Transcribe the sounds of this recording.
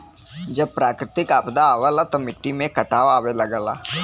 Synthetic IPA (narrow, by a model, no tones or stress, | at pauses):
d͡ʒəb̚pɾaːkɾɪt̪ɪkaːpd̪aːʋəlat̪ɐmɪʈːimẽkəʈaːʋaːʋeləɡəla̰ː